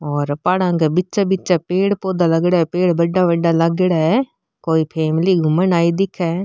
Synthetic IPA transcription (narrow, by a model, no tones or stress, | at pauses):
ɔːɾpaːɽãːɡabɪtːt͡ʃabɪtːt͡ʃaːpeːɽpoːd̪aːləɡɽaːɛpeːɽbəɖːaːʋəɖaːləɡɽaːɛ | koːiːpʰɛːmliːɡʱʊmənaːid̪ɪkʰɛː